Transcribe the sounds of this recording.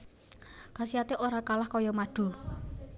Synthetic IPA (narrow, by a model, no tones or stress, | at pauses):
kasiat̪eʔoɾakalahkɔjɔmaɖ̥ṳ